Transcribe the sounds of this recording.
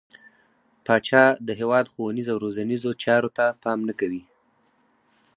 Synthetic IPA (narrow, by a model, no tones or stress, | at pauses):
pɑt͡ʃɑd̪əɦewɑd̪xowanizawɾozanizot͡ʃɑɾot̪apɑmnakawi